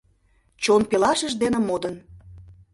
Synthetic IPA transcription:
t͡ɕonpelɑʃəʒd̪enĕmod̪ən

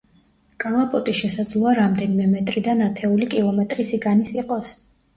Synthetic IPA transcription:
kʼalˠapʼɔt̪ʼiʃɛsad̪zlˠɔaɾamd̪ɛnimɛmɛt̪ʼɾid̪anat̪ʰɛulikʼilˠɔmɛt̪ʼɾisiɡanisiqʼɔs

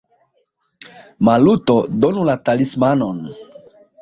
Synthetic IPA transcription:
malutodonulatalismanon

